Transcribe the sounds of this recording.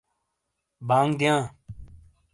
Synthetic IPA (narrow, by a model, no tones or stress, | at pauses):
baːŋɡd̪ijãː